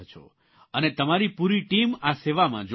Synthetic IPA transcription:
t͡ʃʰo̰ | ənet̪əmaɾipuɾiʈimaseʋamã̰d͡ʒ

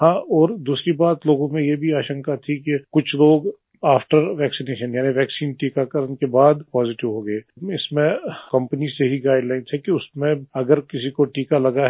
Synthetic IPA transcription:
ɦãːɔːɾd̪uːsɾibaːt̪loːɡõmẽjebʱiaːʃə̃ŋkat̪ʰikekʊt͡ʃʰloːɡ | aːfʈəɾʋɛːksineːʃənjaːniʋɛːksiːnʈiːkakɐɾənkebaːd̪pɔːzɪʈɪʋɦoːɡɐeːɪsmẽkɐ̃mpəniseɦiɡaːɪɖlaːɪnsʰekiʊsmẽɐɡəɾkɪsikoʈiːkalɐɡaɦ

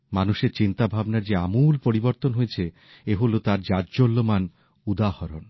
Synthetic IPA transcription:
manuʃeɾt͡ɕint̪abʱabnaɾd͡ʑeamulpoɾiboɾt̪onɦojet͡ɕʰe | eɦolot̪aɾd͡ʑad͡ʑd͡ʑolːoman | ud̪ahɔɾon

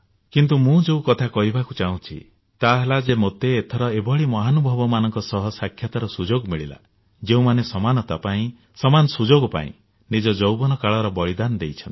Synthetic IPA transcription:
kint̪umũd͡ʒeukɔt̪ʰakɔɦibʱakut͡ʃaũt͡ʃʰḭ | t̪aɦelad͡ʒemot̪eːt̪ʰɔɾɔebɔɭimɔɦanubʱɔbɔmanɔŋkɔsɔɦɔsakʰjɔt̪aɾɔsud͡ʒoɡɔmiɭila̰ | d͡ʒeũmanesɔmanɔt̪apaĩ | sɔmanɔsud͡ʒoɡɔpa̰ḭ̃ | nid͡ʒɔd͡ʒowbɔnɔkaɭɔɾɔbɔɭid̪anɔd̪ejt͡ʃʰɔnt̪i

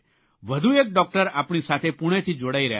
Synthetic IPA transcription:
ʋəd̪ʱuek̚ɖɔk̚ʈəɾaːpɽ̃isat̪ʰepuɽ̃et̪ʰid͡ʒoɽaiɾəja

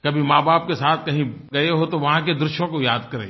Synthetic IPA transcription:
kɐbʱimaːbaːp̚kesaːt̪ʰkɐɦĩɡɐeɦot̪oʋɐɦãked̪ɾʊʃjõkojaːd̪kɐɾḛː

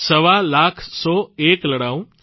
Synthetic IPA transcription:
səʋalakʰsɔekləɽaũ

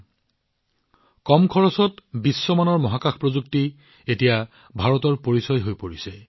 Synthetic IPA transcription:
kɔmkʰɔɹɔsɔtbisːɔmanɔɹmɔɦakaxʰpɹozukti | etija | bʱaɹɔtɔɹpoɹisɔjɦojpoɹisɛ

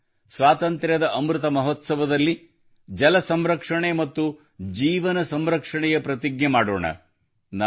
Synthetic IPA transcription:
sʋaːt̪ɐnt̪ɾjɐd̪ɐʔɐmɾut̪ɐmɐɦot̪sɐʋɐd̪ɐlːi | d͡ʒɐlɐsɐmɾɐkʂɐɳemɐt̪ːu | d͡ʒiːʋɐnɐsɐmɾɐkʂɐɳɛjɐpɾɐt̪iɡnɐmaːɽo̰ːɳɐ̰ | na

